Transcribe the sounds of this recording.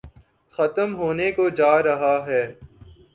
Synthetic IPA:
xɐt̪əmɦoːnekod͡ʒaːɾɐɦaɦɛː

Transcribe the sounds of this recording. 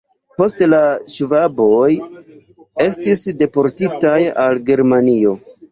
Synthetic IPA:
po̞stlaʃvabo̞j | e̞stisde̞po̞ɾtitajalɡe̞ɾmanio̞

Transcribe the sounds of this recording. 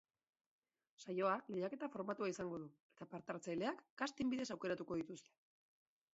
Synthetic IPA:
sajo̞alejake̞t̪afo̞ɾmat̪uaisaŋɡo̞ðue̞t̪apaɾt̪aɾt͡sajle̞akːɡast̪imbiðe̞sawke̞ɾat̪uko̞ð̞it̪ust̪e̞̥

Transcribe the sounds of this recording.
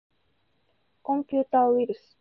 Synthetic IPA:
kõmpʲjuːt̪awiɾɯ̟sɨ̥

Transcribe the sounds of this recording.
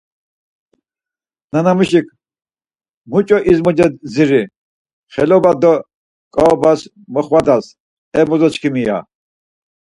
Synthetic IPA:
nanamuʃikʰʼ | mut͡ʃʼɔʔizmɔd͡ʒɛd̪ziɾi | χɛlɔbad̪ɔ | kʼɔɔbas | mɔχwad̪as | ɛmɔzɔt͡ʃkʰimija̰

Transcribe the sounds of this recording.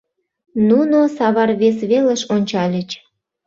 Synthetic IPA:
nunosɑβɑrβesβeleʃonʲt͡ɕɑlʲə̆t͡ɕ

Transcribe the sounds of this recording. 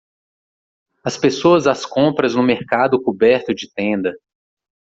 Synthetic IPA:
ɐspesoɐzaskõpɾɐznʊmeɾkad̪ʊkubɛɾt̪ʊd͡ʒɪt̪ẽnd̪ɐ

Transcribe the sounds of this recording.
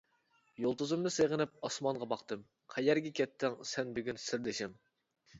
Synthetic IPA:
jolˠt̪ʰuzɨmnɨseʁənɪp̚ɑsmɑnʁɑbɑqt̪ɨm | qʰɛjɛɾɡʲɛkʲʰɛt̪ːɪŋsɛnbyɡʲynsɪɾd̪ɪʃɪm

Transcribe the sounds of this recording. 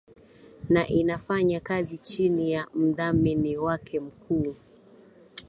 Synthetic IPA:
naʔinafaɲakazit͡ʃinijam̩ðamɛniwakʰɛm̩kʰuː

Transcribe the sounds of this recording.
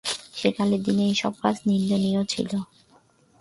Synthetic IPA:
ʃekaled̪inejʃɔb̚kasnind̪onijot͡ɕʰḭlo

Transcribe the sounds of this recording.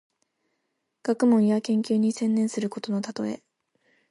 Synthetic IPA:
ɡ̥akɯ̟mõ̞ɰ̃jakẽ̞ŋkʲɨːɲ̟isẽ̞nːẽ̞ɰ̃sɨɾɯ̟ko̞t̪o̞no̞t̪at̪o̞̰e̞̰

